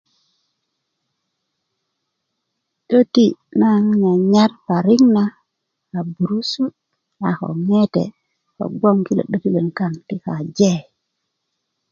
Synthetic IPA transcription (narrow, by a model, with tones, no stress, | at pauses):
ɗo˦ti˦na˦ŋɲa˨ɲa˦ɾpa˨ɾi˦ŋna˦ | ka˨bu˨ɾu˦su˦t̚ | a˨xo̰˨ŋe˦tḛ˨ | ko̰˨ɡo˦ŋki˦lo̰˨ɗo˦ki˦le˨nka˦nti˦ka˨d͡ʒe˦˨